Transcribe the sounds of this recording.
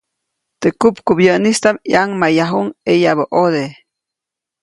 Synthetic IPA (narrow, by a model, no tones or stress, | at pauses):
t̪ekupkubjənist̪amjaŋmajaɦuŋejaβəʔod̪e